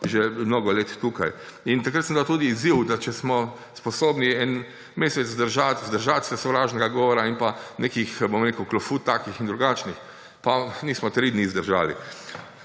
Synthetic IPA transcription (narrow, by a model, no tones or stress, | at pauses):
ʒemnoːɡɔleːt̪t̪uka̰j | int̪akɾat̪səmd̪awt̪ud̪iːziwd̪at͡ʃɛsmɔ | spɔsoːbniɛn | meːsɛt̪zzd̪əɾʒat̪zd̪əɾʒat̪sɛsɔʋɾaːʒnɛɡaɡɔːʋɔɾainpanekixbomɾekəwklɔfut̪ːakixind̪ɾuɡaːt͡ʃnix | paniːsmɔt̪ɾiːd̪nizd̪əɾʒa̰ːlḭ